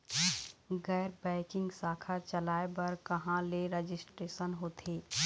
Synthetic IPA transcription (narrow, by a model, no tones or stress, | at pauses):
ɡɛːɾbɛ̃ːkɪ̃ŋɡsaːkʰat͡ʃɐlaːebɐɾkɐɦãleɾed͡ʒɪsʈɾeːʃənɦoːt̪ʰeː